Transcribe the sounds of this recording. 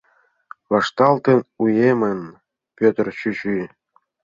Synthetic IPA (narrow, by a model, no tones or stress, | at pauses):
vɑʂt̪ɑlˠt̪ɤ̆nujemʲɘ̆n | pʲøt̪̆ʲrʲɕyɕy